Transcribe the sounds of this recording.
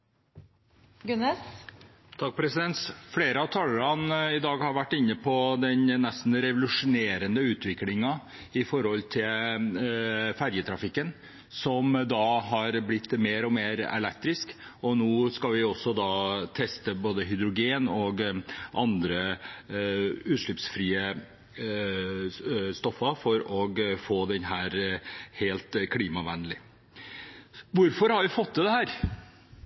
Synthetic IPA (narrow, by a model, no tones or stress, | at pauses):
ɡʉnɛs | t̪ʰɑk̚ːpʰɾɛsɪd̪ɛnt̪fleːɾəɑʋt̪ʰɑlːəɾɑnɪd̪ɑːɡhɑɾʋæʈːɪnːəpʰɔd̪ɛnnɛst̪n̩ɾɛʋʊlʉʂʊneːɾənd̪əʉːt̪ʰʋɪklɪŋɑ | ɪfɔɾhɔlt̪ʰɪl | fæɾjət̪ʰɾɑfɪkːən | sɔmd̪ɑɦɑɾblɪt̪ːmeːɾɔmeːɾɛ̰lɛkt̪ɾɪsk | ɔnoːskɑlʋɪɔsːɔd̪ɑːt̪ʰɛst̪əboːd̪əɦʏd̪ɾʊɡeːnɔɡʔɑnd̪ɾə | ʉːʂɭʏpsfɾiːə | st̪ɔfːɑfɔɾɔɡfoːd̪ɛnɦæːɾheːlt̪kʰliːmɑʋænəlɪ | ʋʊɾfɔɾhɑɾjɪfɔt̪̚d̪ɛd̪ɛhæːɾ